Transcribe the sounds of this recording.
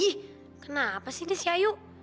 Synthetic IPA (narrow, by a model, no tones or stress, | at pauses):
ih | kənapasihnisiajuʔ